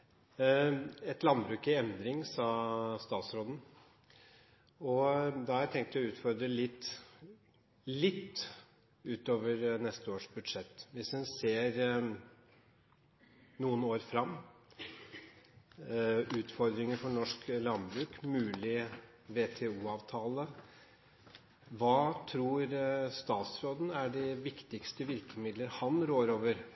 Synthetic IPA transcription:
ɛt̪lɑnbɾʉːkɪɛnd̪ɾɪŋsɑst̪ɑːt̪sɾoːd̪n̩ | ɔd̪ɑhæɾæɾt̪ʰɛŋkt̪əɔʉːt̪fɔɾd̪ɾəlɪt̪ː | lɪt̪ː | ʉːt̪oːʋəɾnɛst̪əoːʂbʉd̪ʂɛt̪ːʋɪsʉnseːɾ | nuːənoːɾfɾɑmː | ʉːt̪fɔɾd̪ɾɪŋəɾfɔɳɔʂklɑnbɾʉːkmʉːlɪ | ʋet̪ʰɛuːɑːʋt̪ʰɑːlə | ʋɑːt̪ʰɾuːɾst̪ɑːt̪sɾoːd̪n̩æɖɛʋɪkt̪ɪkst̪əʋɪɾkəmɪd̪ləɾhɑnɾoːɾoːʋəɾ

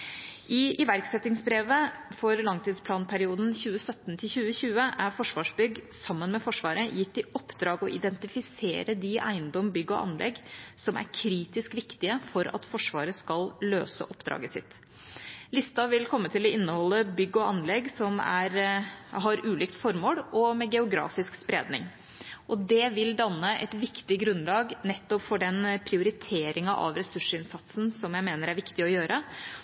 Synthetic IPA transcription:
ʔɪʔɪʋæɾksɛt̪ːɪŋsbɾeːʋəfɔɾlɑŋt̪ʰiːd̪spʰlɑːnpʰæɾɪuːd̪n̩çʉːəsœt̪ːnt̪ʰɪlçʉːəçʉːəʔæɾfɔʂʋɑːʂbʏɡsɑmːənmɛfɔʂʋɑːɾəjɪt̪ːɪʔɔpːd̪ɾɑːɡɔʔɪd̪ɛnt̪ɪfɪsḛːɾəd̪ɪʔæ̰ɪənd̪ɔmbʏɡːɔ̰ʔɑ̰nlʔɛ̰ɡsɔmæ̰ɾkʰɾiːt̪ɪskʋɪkt̪ɪəfɔɾɑ̰t̪fɔʂʋɑ̰ːɾəskɑllø̰ːsə̰ʔɔpd̪ɾɑ̰ːɡəsɪ̰t̪ | lɪst̪ɑʋɪlkʰɔmːət̪ʰɪlɔɪnːəhɔlːəbʏɡːɔɑnlɛɡsɔmæ̰ɾɦɑɾʔʉːliːk̚t̪fɔɾmoːɽɔmɛɡɛʊɡɾɑ̰ːfɪskspɾḛːd̪nɪŋ | ʔɔd̪ɛʋɪld̪ɑnːəʔɛ̰t̪ʋɪkt̪ɪɡɾʉnlɑːɡnɛt̪ːɔpfɔɖɛnpʰɾɪʊɾɪt̪ʰeːɾʔɪŋɑʔɑ̰ʋɾɛsʉʂəɪnsɑt̪sn̩sɔmjæɪmeːnəɾæɾʋɪkt̪ɪɔjøːɾʔə

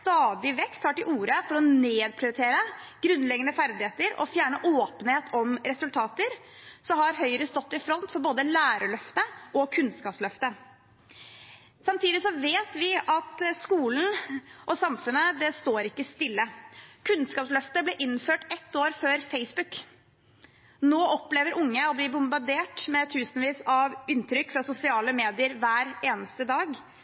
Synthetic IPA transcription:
st̪ɑːd̪ɪʋɛkt̪hɑːʈɪlʔuːɾəfɔɾɔneːd̪̚pʰɾɪʊɾɪt̪ʰeːɾəɡ̥ɾʉnlɛɡənəfæɾd̪ɪheːt̪əɾɔ̰fjæːɳəʔoːpənəheːt̪ʰɔmɾɛsʉlt̪ʰɑːt̪əɾ | sɔmhɑɾɦœʏəɾəst̪ɔt̪ːɪfɾɔnt̪fɔɾboːd̪əlæːɾəɭœft̪əʔɔkʰʉnskɑːpslœft̪ə | sɑmt̪ʰiːd̪ɪsɔʋeːt̪ʋɪɑt̪skuːln̩ʔɔsɑmfʉnəd̪ɛst̪oːɾɪkːəst̪ɪlːəkʰʉnskɑːpslœft̪əblɛʔɪnføːʈɛt̪ːoːɾføːɾfeɪsbʉk | noːʔɔpleːʋəɾʔʊŋːəɔbliːbʊmbɑɾɖ̪eːʈmɛt̪ʰʉːsnʋiːsɑʋʏnt̪ʰɾʏkːfɾɑsʊsɪɑːləmeːd̪ɪəɾʋæːɾeːnəst̪əd̪ɑːɡ

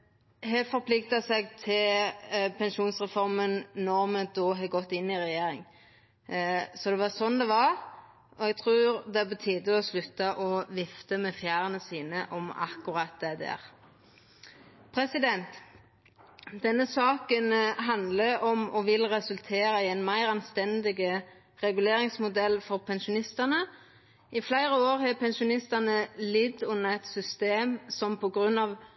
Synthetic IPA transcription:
ɦɛfɔɾpʰlɪkt̪ɑsɛɡt̪ʰɪlpʰɛnʃuːnsʁɛfɔɾmənnɔʁmɛd̪oːɦɑɡɔt̪ːɪnːɪʁɛjeːɾɪŋ | sɔd̪ɛʋɑsɔnd̪ɛʋɑʁ | ɔɛɡ̚t̪ʰʁʉːɾd̪ɛbət̪ʰiːd̪əɔslʉt̪ːɑʔɔʋɪft̪əmɛfjæːɾənəsiːnəʔɔmɑ̰kʊɾɑt̪̚d̪ɛd̪æ̰ːʁ | pʰɾɛsɪd̪ɛnt̪ | d̪ɛnːəsɑːkənɦɑnd̪ləɔmɔʋɪlʁɛsʉlt̪ʰeːɾɑɪɛɪnmæɪɾɑnst̪ɛnd̪ɪɡə | ʁɛɡʉleːɾɪŋsmʊd̪ɛlːfɔʁpʰɛnʃʊnɪst̪ənə | ʔɪflæɪɾəoːʁhɛpʰɛnʃʊnɪst̪ɑnəlɪd̪ʉnːɑɛt̪sʏst̪eːmsɔmpʰɔɡʁʉnːɑʋ

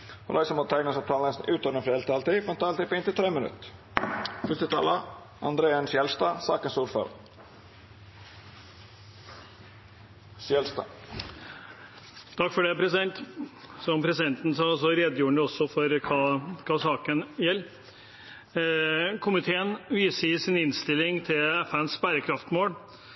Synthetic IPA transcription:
hɔ̰lɑ̰ɪsəmɔt̪ʰæɪɡnəsɔp̚t̪ʰɑːləsnʉːt̪ɔnəfɛlt̪ʰɑlt̪ifɛnt̪ʰɑːlɪpɔɪnt̪ɪlt̪ʰɾeːmənʉ̰t̪ | fʉst̪ət̪ʰɑ̰ːlə | ɑ̰nd̪ɾeːənsjɛlst̪ɑːsɑ̰ːkənsuːɾfœ̰ːɾə̰ | sjɛlst̪ɑ̰ | t̪ʰɑkːfɔɖɛpʰɾɛsɪd̪ɛnt̪sɔmpʰɾɛsɪd̪ɛnt̪n̩sɑsɔɾeːd̪juːɳɛɔsːɔfɔɾkʰɑːkʰɑːsɑːkənjɛlː | kʰʊmɪt̪ʰeːənʋiːsəɪsɪnɪnst̪ɪlːɪŋt̪ʰɪlɛfænsbæɾəkʰɾɑft̪moːl

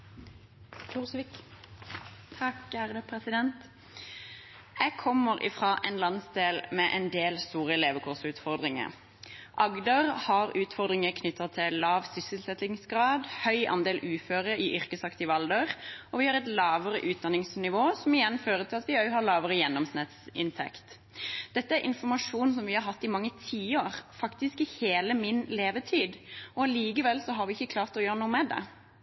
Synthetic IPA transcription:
s | t̪ʰɑkæɾəpʰɾɛsɪd̪ɛnt̪ | jæɡkʰɔmːəʁʔɪ̰fʁɑːʔɛnlɑnsd̪eːlmɛʔɛnd̪eːlst̪uːʁəɛleːʋəkʰʊʁsʉːt̪fɔʁd̪ʁɪŋə̰ʁ | ʔɑɡd̪əʁhɑːʁʉːt̪fɔʁd̪ʁɪŋəkʰnʏt̪ʰːət̪ʰɪlɑːʋsʏsəlsɛt̪ɪŋsɡʁɑːd̪hœʏʔɑ̰nd̪eːlʔʉːføːɾəɪʔʏʁkəsɑkt̪ɪʋɑld̪əʁʔɔʋɪhɑɾʁɛt̪lɑːʋəʁə̰ʔʉːt̪̚d̪ɑnːɪŋsnɪʋoːsɔmɪjɛnːføːɾət̪ʰɪlɑt̪ʋɪœhɑlɑːʋəɾəjɛnːɔmsnɪt̪sɪ̰nt̪ʰɛ̰kt̪ | d̪̥ɛt̪ːəæɾʔɪ̰nfɔmɑʂuːn̩sɔmʋɪhɑɾɦɑt̪ːɪmɑŋːət̪ʰiːoʁfɑkt̪ɪskɪheːləmɪnleːʋət̪ʰiːd̪ɔliːkəʋɛlsɔɦɑɾʋɪɪçːəkʰlɑːʁt̪ɔjøːɾənuːəmɛd̪ɛ̰

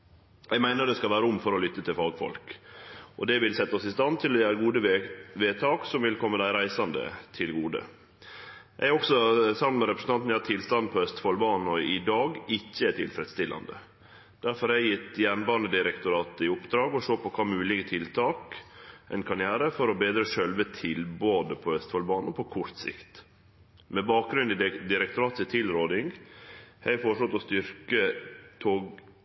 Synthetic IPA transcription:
ʔɛɡmæɪnəɖ̪ɛskɑlʋæːɾəʊmfɔɾɔlʏt̪ːət̪ʰɪlfɑːɡfɔ̰lk | ʔɔd̪ɛʋɪlsɛt̪ːəɔsɪst̪ɑnt̪ʰɪlɔjæːɾəɡuːd̪əʋeːt̪ʰɑːksɔmʋɪlkʰɔmːəd̪æɪɾæɪsɑnd̪ə̰t̪ʰɪlɡuːd̪ə̰ | ʔɛæɔksɔsɑmt̪mɛɾɛpɾəsn̩ɑnt̪nɑɾt̪ʰɪlst̪ɑnd̪̚pʰɔɛst̪ə̥fɑlbɑːn̩ɔɪd̪ɑːɡɪçːəɛt̪ʰɪlfɾɛd̪st̪ɪlːɑ̰nd̪ə̰ | d̪̥æɾfɔɾhæɪjɪt̪jɛnbɑːɾnəd̪ɪɾɛkt̪ʊɾɑːt̪ɪʊpd̪ɾɑːɡɔʂoːpɔkʰɑːmʉːlɪɡət̪ʰɪlt̪ʰɑːkʔɛɪnkʰɑɾɪæːɾəfɔɾɔbeːd̪ɾəʃœlʋət̪ʰɪlboːd̪əpʰɔhœst̪fɑlbɑːnəpʰɔkʰɔɾt̪sɪ̰kt̪ | mɛbɑːk̚ɡɾʉnd̪ɪd̪ɪɾɛkt̪ʊɾɑːt̪sɪt̪ʰɪlɾoːd̪ɪŋ | hæɪfɔʂɭɔt̪ɔst̪ʏɾkət̪ʰoːɡ

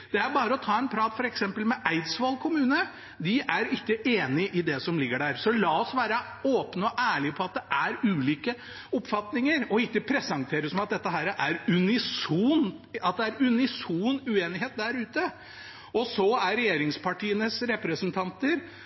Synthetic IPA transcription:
d̪̥ɛæɾbɑːɾəɔt̪ʰɑːɛnpʰɾɑːt̪fɔɾɛksɛmpəlmɛʔæɪd̪sʋɑːlkʰʊmʉːnə | d̪ɪʔæɾɪkːəʔeːnɪʔɪd̪ɛsɔmlɪɡːəɖæːɾsɔlɑːɔsʋæːɾə | oːpnəɔʔæːɭɪpʰɔɑt̪̚d̪ɛʔæɾʉːliːkə | ɔpfɑt̪nɪŋəɾɔɪkːəpʰɾɛsɑŋt̪ʰeːɾəsɔmɑt̪̚d̪ɛt̪ːəɦæːɾʔæɾʉnɪsuːnɑt̪̚d̪ɛæɾʉnɪsuːnʉeːnɪɦeːt̪̚d̪æɾʉːt̪ə | ɔsɔæɾːɛjeːɾɪŋspʰɑʈiːənəsɾɛpɾəsənt̪ʰɑnt̪əɾ

